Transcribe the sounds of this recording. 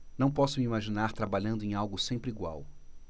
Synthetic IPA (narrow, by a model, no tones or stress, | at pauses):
nɐ̃w̃pɔsʊmiimaʒinaɾt̪ɾabaʎɐ̃nd̪ʊẽj̃awɡʊsẽmpɾiɡwa̰w